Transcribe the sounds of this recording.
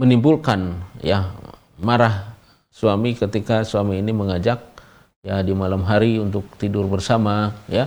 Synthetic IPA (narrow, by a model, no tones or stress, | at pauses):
mənimbulkanja | maɾah | suamikət̪ikasuamiːniməŋad͡ʒak̚ | jadimalamɦaɾiunt̪ʊk̚t̪idʊrbərsamaja